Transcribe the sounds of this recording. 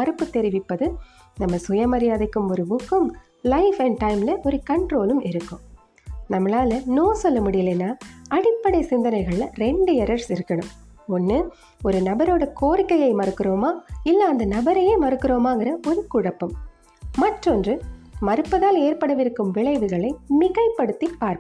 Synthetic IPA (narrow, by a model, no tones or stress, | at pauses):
mɐɾɯpːɯt̪ɛɾɪʋɪpːɐðɯ | nɐmːɐsʊjɐmɐɾɪjaːðɐkːɯmɔɾɯbʊkːɯm | lɐɪfɐɳɖ̚ʈɐɪmlɐʔɔɾɯkɐɳʈɾoːlɯmʔɪɾɯkːɯ̃ | nɐmːɐlaːlɐnoːsɔlːɐmʊɽɪjɪleːnːaːɐɽɪpːɐɽɐɪsɪnd̪ɐnɐɪɣɐɭɾɛɳɖɯɛɾɐɾsɪɾɯkːɐɳɯm | ɔnːɯ | ɔɾɯnɐbɐɾoːɽɐkoːɾɪkːɐjɐɪmɐɾɯkːɯɾoːmaːɪlːɐɐnd̪ɐnɐbɐɾɐjemɐɾɯkːɯɾoːmaːŋɡɪɾɐʔɔɾɯkʊɻɐpːɯmː | ɐʈrɔndrɯmɐɾɯpːɐðaːleːɾpɐɽɐʋɪɾɯkːɯmʋɪɭɐɪʋɯɣɐɭɐɪmɪɣɐɪpːɐɽɯt̪ːipːaːɾk